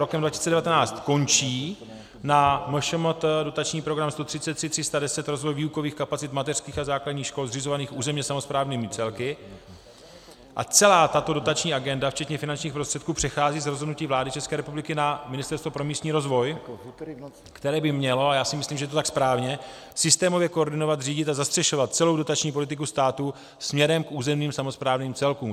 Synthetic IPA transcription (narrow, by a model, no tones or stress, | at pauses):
ɾokɛmdvacisit͡sɛdɛvat̪ɛnaːt͡st̪ko̞nt͡ʃiː | namoʃomot̪do̞t̪at͡ʃɲiːpɾoɡɾamst̪o̞t̪r̥ɪt̪t͡sɛt̪ːr̥ɪt̪ːr̥ɪst̪adɛsɛt̪ɾo̞zvo̞jviːuko̞viːxkapat͡sɪt̪mat̪ɛr̥skiːxazaːkladɟɲiːxʃko̞lzrɪzo̞vaniːxʔuːzɛmɲɛsamo̞spɾaːvniːmut͡sɛlkɪ | ʔa̰t͡sɛlaːt̪at̪o̞do̞t̪at͡ʃɲiːʔaɡɛndaft͡ʃɛt̪ɲɛfɪnant͡ʃɲiːxpɾo̞st̪r̥ɛt̪kuːpr̝̥ɛxaːziːzɾo̞zɦodnuciːvlaːdɪt͡ʃɛskɛːɾɛpublɪkɪnamɪnɪst̪ɛɾst̪vopɾo̞miːst̪ɲiːɾo̞zvo̞j | kt̪ɛɾɛːbɪmɲɛlo̞ajaːsɪmɪsliːmʒɛjɛt̪ot̪akspɾaːvɲɛ | sɪst̪ɛːmo̞vjɛkooɾdɪno̞vat̪riːɟɪt̪azast̪r̥ɛʃo̞vat̪̚t͡sɛlo̞wdo̞t̪at͡ʃɲiːpo̞lɪt̪ɪkust̪aːt̪u | smɲɛɾɛmkʔuːzɛmniːmsamo̞spɾaːvniːmt͡sɛlkuːm